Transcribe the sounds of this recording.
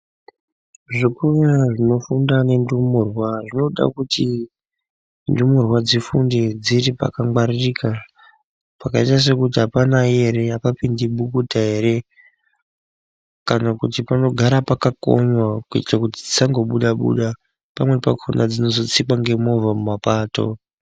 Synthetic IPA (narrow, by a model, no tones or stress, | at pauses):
ʐikuʋaʐino̞fundane̞ndumurwaʐino̞ɗa̰kuti | ndumurwad͡zifundid͡ziɾipa̰kaŋɡwaririːka | pakaitas̬e̞kutiɦapanaje̞ɾe̞akapindiɓukutaɦe̞ɾe̞ | kanakutipano̞ɡʱaɾapakako̰ɲwakuḭti̥rakutid͡zisaŋɡo̞ɓuɗaɓṵɗa | pamwe̞pakʰonad͡zino̞zo̞t͡sikaŋɡe̞mo̞vamumapaːto̰